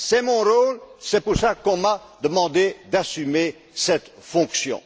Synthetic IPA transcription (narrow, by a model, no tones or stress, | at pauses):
sɛmɔ̃ʁolsɛpuʁsakɔ̃ma | d̪əmɑ̃d̪ed̪asyme | sɛt̪fɔ̃ksjɔ̰̃